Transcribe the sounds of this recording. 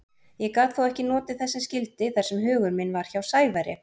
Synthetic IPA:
jɛkaːt̪θawɛhcɪnɔːt̪ɪθɛsːascɪlt̪ɪθɛsɛmɦʏːɣʏɾmɪnvaɾ̥çawsaːjvajɾɪ̰

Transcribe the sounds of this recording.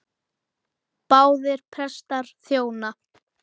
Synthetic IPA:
paːwðɪɾ̥pʰɛst̪aɾ̥θjoːwna

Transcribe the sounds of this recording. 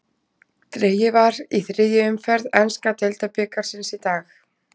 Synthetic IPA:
t̪ɾeːjɪvaɾiθɾɪðjɪʏmfɛɾðɛnskat̪elt̪apɪːkaɾ̥sɪnsit̪aːx

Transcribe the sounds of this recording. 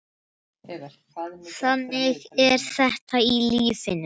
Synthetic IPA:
θanːɪɣɛɾ̥θɛht̪ailiːsɪnʏ

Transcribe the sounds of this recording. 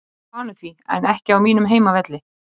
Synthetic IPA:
aːnʏθviɛ̰nɛhcɪawmiːnʏmɦeːjmavɛt̪lɪ

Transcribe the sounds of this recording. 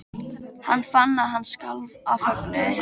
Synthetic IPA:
hanːfanːaɦansːkalvafɔknɪ

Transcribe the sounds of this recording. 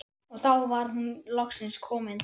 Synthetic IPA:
ɔɣθawvaɾ̥ɦunlɔxksɪnskʰɔːmɪn

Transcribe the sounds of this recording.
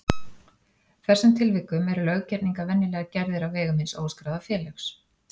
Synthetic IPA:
kθɛsant̪ʰɪlvɪkːʏmɛɾʏlœɣcɛt̪niŋkavɛnːɪlɛːɣacɛɾðɪɾawvɛːɣʏmhɪnsoːwskɾaːwðafɛːlœxs

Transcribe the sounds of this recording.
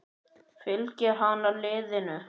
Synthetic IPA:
fɪlcɛɾ̥ɦanalɪːðɪnʏ

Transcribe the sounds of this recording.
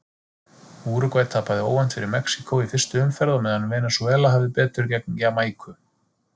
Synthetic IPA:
uːɾʏkvajt̪ʰːaːpaðɪoːwan̥t̪fɪɾɪɾmɛksi̥kowifɪrst̪ʏʏmfɛɾðɔmɛðhanːʏmvɛːnasuɛːlaɦaːvðɪpɛːt̪ʏɾcɛk̚ncamaːjkʰʏ

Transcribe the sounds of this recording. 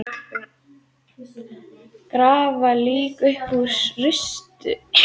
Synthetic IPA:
kɾaːvaliːkʏhpusrʏst̪ʏ

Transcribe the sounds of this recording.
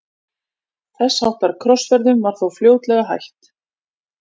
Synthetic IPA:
θɛsːhawht̪vaɾkʰɾɔsvɛɾðʏmvaɾ̥θawfljoːwt̪lɛɣaɦa̰jht̪

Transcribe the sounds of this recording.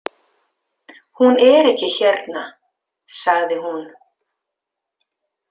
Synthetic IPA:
hunɛɾɛhcɪçɛɾt̪na | saɣðɪɦun

